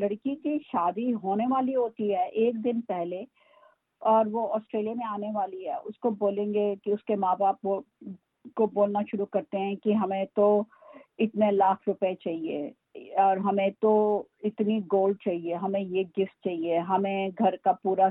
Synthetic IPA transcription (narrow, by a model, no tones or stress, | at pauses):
lɐɽkikiʃaːd̪iɦoːneʋaːliɦoːt̪iɦɛːʔeːkd̪ɪnpɛɦle | ɔːɾʋoɔːsʈɾeːlijamẽaːneʋaːliɦɛːʔʊskoboːlẽːŋɡekiʊskemãːbaːp̚o | koboːlnaʃʊɾukɐɾt̪eɦɛ̃kiɦɐmẽt̪o | ɪt̪nelaːkʰɾʊpet͡ʃaːɦiḛː | ɔːɾɦɐmẽt̪oɪt̪niɡoːlɖ̚t͡ʃaːɦieɦɐmẽjeɡɪft̪̚t͡ʃaːɦieɦɐmẽɡʱɐɾkapuːɾa